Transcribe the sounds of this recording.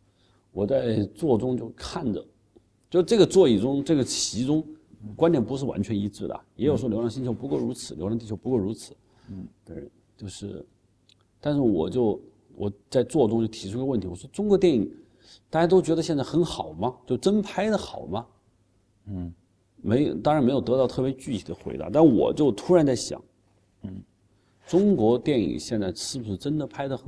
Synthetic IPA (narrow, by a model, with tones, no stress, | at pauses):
wɔ˨˩t͡sa˥˧ɪt͡swɔ˥˩ʈ͡ʂʊ˥ŋt͡ɕjo˥˧ʊkʰa˥˩nʈ͡ʂə̰˩ | t͡ɕjo˥˧ʊʂʈ͡ʂɤ˥˩ɡə˩t͡swɔ˥˧i˥˩ʈ͡ʂʊ˥ŋʈ͡ʂɤ˥˩ɡə˩t͡ɕʰi˧˥ʈ͡ʂʊ˥ŋkwa˥nt̪jɛ˥˩npu˧˥ʂ̬ɻ̩˥˩wa̰˧˥nt͡ɕʰɥɛ˧˥ni˧˥ʈ͡ʂɻ̩˥˩d̪ə̰˩jɛ˧˥jʂwɔ˥ljo˧˥ʊjɑ˥˧ŋɕi˥nt͡ɕʰo˧˥ʊpu˧˥ko˥˩ʊɻu˧˥t͡sʰɹ̩˨˥ljo˧˥ʊ˧ɑ˥˧ŋt̪i˥˩o˧˥ʊpu˧˥ko˥˩ʊɻu˧˥t͡sʰɹ̩˨˩˦ | t̪ | t͡ɕjo˥˧ʊʂɻ̩˥˩ | t̪a˥˧nʂɻ̩˥˩wɔ̰˨˩t͡ɕjo˥˩˧ʊ | wɔ˨˩t͡sa˥˧ɪt͡swɔ˥˧ʈ͡ʂʊ˥ŋt͡ɕjo˥˩ʊt̪ʰi˧˥ʈ͡ʂʰu˥˧wə˥˩t̪ʰi˥wɔ˨˩ʂwɔ˥ʈ͡ʂʊ˥ŋkwɔ˧˥t̪jɛ˥˩nḭ˨˩˦ | t̪a˥˩t͡ɕja˥t̪o˥ʊt͡ɕɥɛ˧˥də˧ɕjɛ˥˧nt͡sa˥˩xə˧˥nxɑ˨˩ʊmɐ˦t͡ɕjo˥˩ʊʈ͡ʂə˥npʰa˥ɪd̪ə˨xɑ˨˩ʊmɐ˦ | me˧˥ɪjt̪ɑ˥ŋɻa˧˥nme˧˥ɪjo˨˩ʊt̪ɤ˧˥t̪ɑ˥˧ʊt̪ʰɤ˥˩pjt͡ɕy˥˩t̪ʰi˨˩d̪ə˦xwe˧˥ɪt̪a̰˧˥t̪a˥˩˧wɔ̰˨˩t͡ɕjo˥˩ʊt̪ʰu˥ɻa˧˥nt͡sa˥˩ɪɕjɑ̰˨˩˦ŋ | ʈ͡ʂʊ˥ŋkwɔ˧˥t̪jɛ˥˩nḭ˨˩ɕjɛ˥˧nt͡sa˥˧ɪʂɻ̩˥˩bu˧˩ʂɻ̩˥˩ʈ͡ʂə˥nd̪ə˨pʰa˥ɪd̪ə˨xə˨˩